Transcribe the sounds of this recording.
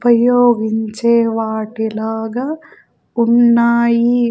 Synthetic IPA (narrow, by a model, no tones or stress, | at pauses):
pɐjoːɡiɲt͡ʃeːʋaːʈilaːɡɐ | uɳːaːji